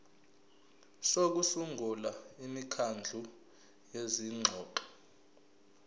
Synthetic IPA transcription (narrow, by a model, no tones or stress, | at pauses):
sok̬usuŋulaimikʰand͡ɮʱu | jeziŋ͡ǁʱɔːǃɔ̥